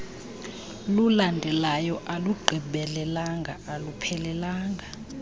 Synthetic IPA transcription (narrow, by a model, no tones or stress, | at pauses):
lulandʱɛlajɔʔaluɡ͡ǃʱiɓɛlɛlaŋɡʱa̰ʔalupʰɛlɛlaːŋɡʱa